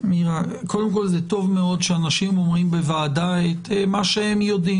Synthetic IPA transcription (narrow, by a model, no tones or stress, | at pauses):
miʁakʰo̞d̪emk̬o̞lzet̪o̞vme̞o̞d̪ʃeanaʃimo̞mʁimbevaːdaet̪emaʃehemjo̞dim